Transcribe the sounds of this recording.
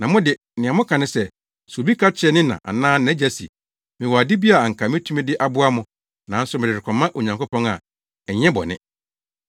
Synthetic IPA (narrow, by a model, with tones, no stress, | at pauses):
nã˨mʊ̃˦dɪ˨ | nɪ̃˨ã˨mʊ̃˦kʰã˨nɪ̃˦sɛ˨ | su˨o˨bi˦kʰa˦t͡ɕʰɪ˦ɛ˦nɪ̃˦nã̰˨ʔa̰˨nãː˦ñ˨ɛ˨˦d͡ʑæ˦sḭ˨ | mɪ̃˨wɔ˨a˨dɪ˦bi˦a˨ŋ̩˨kʰa˨mɪ̃˦tʰũ˦mĩ˦dɪ˦ʔa˦bʊ˦a˦mʊ̃˦ | nã˨˦n̩˦sʊ˦mɪ̃˨ɪ˨ɾɪ˨kʷʰɔ̃˨mːã˦ʔo˨ɲã˨ŋko˦pɔ̃˦ŋa̰˨ | ɛ˨ɲɛ̃˦bɔ̰˨nɪ̰̃˦